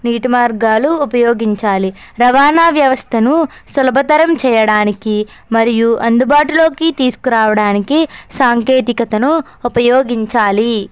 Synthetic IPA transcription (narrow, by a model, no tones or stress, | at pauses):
niːʈmaːɾɡaːluːpɐjoːɡiɲt͡ʃaːli | ɾɐʋaːnaːʋjɐʋɐst̪ʰɐnu | sɐlɐbʱɐt̪ɐɾɐmt͡ʃɛːjɐɽaːniki | mɐɾijuʔɐnd̪ubaːʈulo̞ːkit̪iːsu̥kuɾaːʋɐɽaːnikisaːŋkeːt̪ikɐt̪ɐnuː | pɐjoːɡiɲt͡ʃaːli